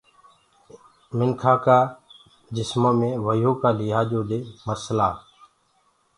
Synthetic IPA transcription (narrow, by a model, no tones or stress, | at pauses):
mɪnkʰaːkaː | d͡ʒɪsmõːmẽːʋəjoːkaːlɪːɦaːd͡ʒoːd̪eːməɾsəlaː